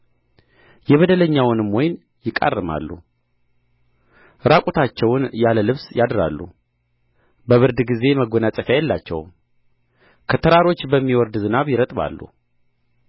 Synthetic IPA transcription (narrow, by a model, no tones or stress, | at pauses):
jɛβəd̪ələɲːawʊnɨmwɔjn | jɪkʼa̰rːɨma̰lːṵ | ɾakʼut̪ʰat͡ʃːɛwʊnjaləlɨβsjad̪ɾa̰lːṵ | bəβɨɾd̪ɡize̞məɡonatsʼɨfjajɛlːat͡ʃːɛ̰w | kʰət̪ʰəɾaɾo̞t͡ʃːbəmːiwɔɾd̪zɨnaβjɪɾət̪ʼβa̰lːṵ